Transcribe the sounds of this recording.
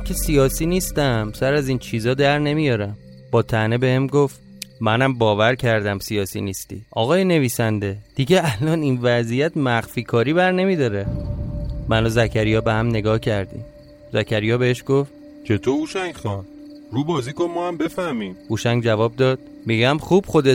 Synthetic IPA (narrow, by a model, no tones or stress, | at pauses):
kʰesijɒːsiːniːst̪æmsæɾæzint͡ʃʰiːzɒːd̪æɾne̞mijɒːɾæm | b̥ɒːt̪ʰænebehemɡoft̪ | mænæmbɒːvæɾcʰæɾd̪æmsijɒːsḭnist̪ḭːʔɒːɣɒːjene̞viːsænd̪e̞d̪̥iɟeælɒːniːnvæzijæt̪mæxfiːkʰɒːɾiːβæɾne̞mid̪ɒːɾe | mænɒzæcʰæɾijɒːbehæmne̞ɡɒːhcʰæɾd̪ḭm | zæcʰæɾijɒːbeheʃɡ̥oft̪ | t͡ʃʰe̞t̪ʰouʃæŋɡxɒn | ɾuːbɒːziːkonmɒːæmbe̞fæhmiːmhuʃæŋɡd͡ʒævɒːb̚d̪ɒːd̪̥̚ | miɟæmχuːb̥xod̪e